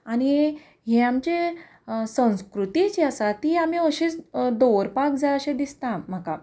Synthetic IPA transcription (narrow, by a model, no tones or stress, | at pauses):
añi | ɦẽamt͡ɕe | sə̃w̃skɾut̪it͡ɕeasat̪iam̤iəɕit͡sd̪oɾpak̚d͡zaləɕẽd̪ist̪ãm̤aka